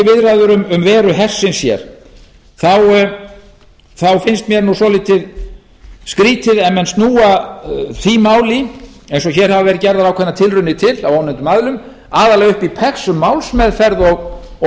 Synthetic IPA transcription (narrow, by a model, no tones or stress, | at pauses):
vɪðɾaðʏɾʏmʏmvɛːɾʏɦɛr̥sɪnsjɛ̰ɾ̥ | θaw | θawfɪnst̪mjɛɾnusɔlit̪ʰɪð | skɾiːt̪ʰɪðɛmːɛnst̪nuːaθimaːwlɪejnsɔçɛːɾ̥havavɛːɾɪcɛɾðaɾawkʰɛnːat̪ʰɪlrʏnːɪt̪ʰɪlawaːwnɛnt̪ʏmaðlʏm | aːðaɾlɛɣʏhpipʰɛksʏmːawlsmɛðfɛɾðɔɣ